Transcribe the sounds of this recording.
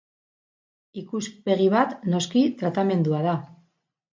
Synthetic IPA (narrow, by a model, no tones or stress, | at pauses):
ikuspe̞ɣ̞iβ̞at̪no̞skit̪ɾat̪ame̞nd̪uað̞a